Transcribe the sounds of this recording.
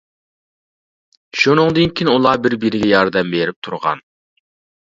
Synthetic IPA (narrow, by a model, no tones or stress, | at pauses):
ʃunɨŋd̪ɨnkʲʰinulˠɑbɪɾbiɾɪɡʲɛjɑɾd̪ɛmbeɾɪp̚t̪ʰuɾʁɑ̰n